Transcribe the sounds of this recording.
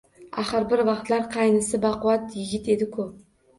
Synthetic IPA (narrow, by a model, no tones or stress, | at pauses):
aχəɾbɪɾvɑqt̪laɾqʰɑjnɨsɪbɑqʊwɑt̪jɪɡʲɪt̪e̞d̪ɪkʰʊ